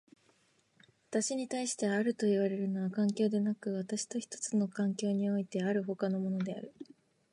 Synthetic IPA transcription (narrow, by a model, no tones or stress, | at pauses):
βat̪aɕiɲ̟it̪aiɕi̥t̪e̞βaːɾɯ̟t̪o̞iβ̞aɾe̞ɾɯ̟no̞βakãŋkʲo̞ːd̪e̞nakɯ̟β̞at̪aɕi̥t̪o̞çi̥t̪o̞̥t͡sɨno̞kãŋkʲo̞ːɲ̟io̞it̪e̞aɾɯ̟ɦo̞kano̞mo̞no̞d̪e̞a̰ɾɯ̟